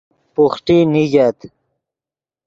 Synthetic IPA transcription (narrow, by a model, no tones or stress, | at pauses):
puxʈiniɡat̪